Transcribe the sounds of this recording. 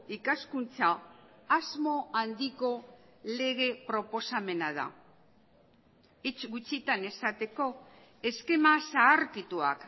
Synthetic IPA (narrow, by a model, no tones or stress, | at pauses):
ikaskunt͡saː | zmo̞and̪iko̞le̞ɣe̞pɾo̞po̞same̞naða̰ | it͡ʃɡut͡sit̪ane̞sat̪e̞ko̞ | e̞ske̞masaːɾkit̪ua̰k